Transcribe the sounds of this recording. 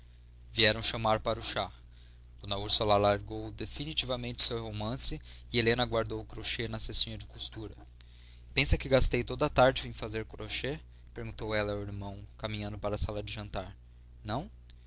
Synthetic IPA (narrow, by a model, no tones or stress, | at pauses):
viɛɾɐ̃w̃ʃɐmaɾpaɾʊʃa | d̪̥õnɐuɾsualalaɾɡowd̪efinit͡ʃivɐmẽnt͡ʃɪ̥sewhomɐ̃sɪɪelẽnɐɡwaɾd̪owʊkɾoʃenɐsesĩɲɐd͡ʒɪkust̪uɾɐ | pẽsɐkɪɡast̪ejt̪od̪ɐːt̪aɾd͡ʒɪẽj̃fazeɾkɾoʃe | peɾɡũnt̪owɛlɐiɾmɐ̃w̃kamĩɲɐ̃nd̪ʊpaɾɐsalɐd͡ʒɪʒɐ̃nt̪aɾ | nɐ̃w̃